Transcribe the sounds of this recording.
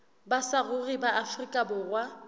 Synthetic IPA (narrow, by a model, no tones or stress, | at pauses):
basarʊribaʔafrikʼabʊrwa